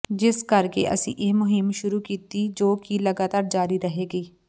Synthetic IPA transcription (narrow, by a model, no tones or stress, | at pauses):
d͡ʒɪskəɾkḛːʔə̰sḭ̃ːʔeːmʊɦɪmʃʊɾuːkiːt̪iːd͡ʒoːkiːləɡaːt̪aːɾd͡ʒaːɾiːɾəɦeːɡiː